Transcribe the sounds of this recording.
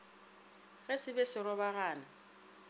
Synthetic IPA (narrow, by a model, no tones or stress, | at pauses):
ɣɛsɪbɛsɪɾɔbaɣaːna